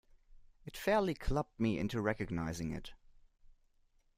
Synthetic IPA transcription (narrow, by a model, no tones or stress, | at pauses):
ɨtfɛɹlˠikʰl̥ʌp̚t̚miɪ̰̃ntʉɹɛkɨɡ̚naɪzɪ̃ŋɪ̰t